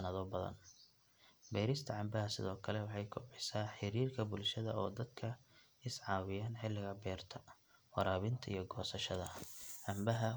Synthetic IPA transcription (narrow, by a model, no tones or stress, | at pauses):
ɐnɐðɔbɐðɐ̰n | bɛːɾɪst̪ʰɐʕɑmbɐɦɐsɪ̰ðɔːkʰɐlɛwɑħɑjkʰʊbħɪsaːħɪɾiːrkʰɐbʊlʃɐðɐɔːd̪ɐd̪kʰɐ | ɪsʕɑːwɪjaːnħɪlːɪɣɐbɛːrt̪ʰɐ̥ | wɑɾaːβɪnt̪ʰɐḭjɞɡɔːsɐʃɐðɐʕɑmbɐɦɐ